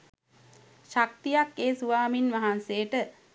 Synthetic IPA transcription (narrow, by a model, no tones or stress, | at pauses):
ʃak̚t̪ijakːeːsuʋaːminʋaɦanseːʈə